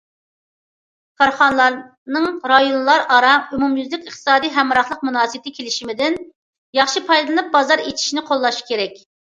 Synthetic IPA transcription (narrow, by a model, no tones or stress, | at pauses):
kʰɑɾχɑnlˠɑɾ | nɨŋɾɑjonlˠɑɾɑɾɑymumjyzlɪkʲəχt̪ɨ̥sɑːd̪ijɦɛmɾɑχlˠəq̚munɑːsɨt̪ʰɪkʲʰelɪʃimɪd̪ɪn | jɑχʃipʰɑjd̪lˠɨnɨp̚bɑzɑɾet͡ʃ̪ʰi̥ʃinɪqʰolˠːɑʃkʲeɾɛkʲ